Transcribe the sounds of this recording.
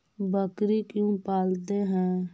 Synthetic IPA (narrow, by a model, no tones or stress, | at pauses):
bəkɾikjũpaːlt̪eɦɛ̃ː